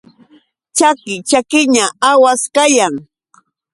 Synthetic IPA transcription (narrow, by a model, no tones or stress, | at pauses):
t͡ʃakɪt͡ʃakɪɲaawaskajaŋ